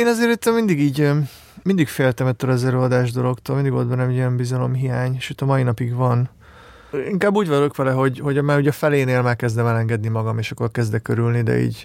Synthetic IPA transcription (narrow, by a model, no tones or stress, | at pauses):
eːnɒzeːɾit̪ːømind̪iɡiːɟ | mind̪ikfeːlt̪ɛmɛt̪ːøːɾɛzɛɾøːɒd̪aːʒd̪o̞lo̞kt̪oːlind̪iɡot̪bɛnːɛmɛɟiɛmbizɒlo̞mɦijaːɲʃøːt̪ɒmɒinɒpiɡʋɒn | iŋkaːbːuːɟvɒlo̞kʋɛlɛɦo̞ɟho̞ɟmaːɾuːɟɒfɛleːneːlmɛrkɛzd̪ɛmɛlɛŋɡɛd̪nimɒɡɒmeːʃɒkːo̞rkɛzd̪ɛkøɾylnid̪ɛ̰ḭːɟ